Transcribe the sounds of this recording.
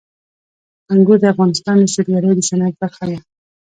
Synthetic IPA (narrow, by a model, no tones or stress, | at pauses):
aŋɡud̪əafɣɑnɪst̪ɑnd̪əʃɪɾɡaɾəjd̪əsanat̪̚baɾxaja